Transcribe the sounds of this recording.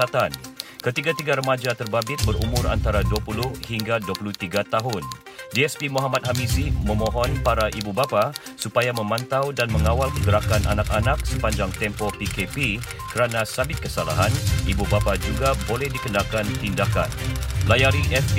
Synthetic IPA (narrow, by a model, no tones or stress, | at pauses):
at̪ankət̪iɡat̪iɡaɾəmad͡ʒat̪ərbabɪt̪̚bəɾṵmʊɾa̰nt̪aɾaduapulʊhhiŋɡaduapuluht̪iɡat̪aɦʊn | diɛspimuɦamat̪̚hamisimə̃mɔ̃ɦɔnpaɾaʔibubapa | supajamə̃mãnt̪awdanmə̃ŋawalkəɡəɾakanʔanak̚anak̚səpaɲd͡ʒaŋt̪ɛmpɔpikepi | kəɾanãsabɪt̪̚kəsala̰ɦanibubapad͡ʒuɡabolɛhdikənakant̪indaka̰nlajaɾiʔɛsp